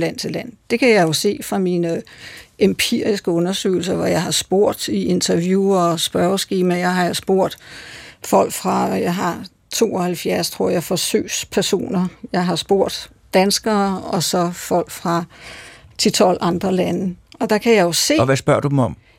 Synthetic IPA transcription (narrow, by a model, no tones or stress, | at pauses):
læn̰t͡sʰe̝læn̰d̥e̝kʰæjɑ̈ɪjo̝se̝̰ːfʁɑ̈minəʔempʰiɐ̰isɡ̥əɔ̽nɐsø̰ːɪl̩sɐʋɒjɑ̈ɪhɑ̈sb̥o̝ɐ̰d̥iʔe̝nt͡sʰɐʋjuːɐsb̥ɶɐsɡ̥iːmæjɑ̈ɪɦɑ̈josb̥o̝ɐ̰d̥fɒ̽l̰ɡ̥fʁɑ̈jɑɪɦɑ̈ | t͡sʰo̝̰ːɒhælfjæɐst͡sʰʁo̝ɐ̰jɑ̈ɪfɒ̽sø̰ːspʰæɐso̝̰ːnɐjɑɪɦɑ̈sb̥o̝ɐ̰d̥ | d̥ænsɡ̥ɐːɒ̽sɒ̽fɒ̽l̰ɡ̥fʁɑ̈ | t͡sʰe̝t͡sʰɒ̽l̰ʔɑ̈nd̥ʁɐlænəʔɒ̽d̥ɑ̈kʰæjɑ̈jo̝se̝̰ʋæsb̥ɶɐ̰d̥ud̥emɒ̽m